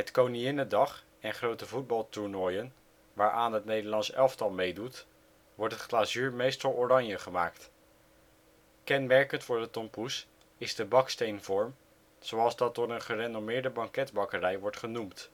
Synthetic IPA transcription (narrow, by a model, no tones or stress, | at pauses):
ɦətkowniɪnədɑχ | ɛnχrowtəvud̚bɑlˠtuɹnɔjən | ʋaːɹʔaːnɦətnejdəɹlɑnsɛlˠftɑlˠmejdut | ʋɔɹtətχlaːzyːɹmejstɑlˠorɑɲjəχəmaːkt | kɛnmɛɹkəntfʊːɹdətɔmpus | ɪzdəbɑkstejnv̥ɔɹm | zowɑlˠzdɑt̚dʊːɹənχərenomɪːɹdəbɑŋkɛdbɑkərɛjʋɔɹtχənumt